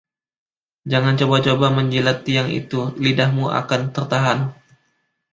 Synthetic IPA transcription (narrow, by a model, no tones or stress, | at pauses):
d͡ʒaŋant͡ʃobat͡ʃobaməɲd͡ʒilat̪ːiaŋḭt̪ulidahmuʔa̰kant̪ərt̪aɦan